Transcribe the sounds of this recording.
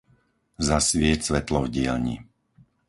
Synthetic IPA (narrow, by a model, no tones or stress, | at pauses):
zasʋɪɛcsʋɛt̪lɔvɟɪɛlɲḭ